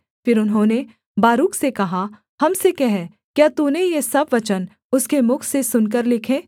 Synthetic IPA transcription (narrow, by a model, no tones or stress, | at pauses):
fɪɾʊnɦõne | baːɾuːksekɐɦa | hɐmsekɛɦɛ | kjaːt̪unejesɐbʋɐt͡ʃən | ʊskemʊkʰsesʊnk̬əɾlɪkʰẽː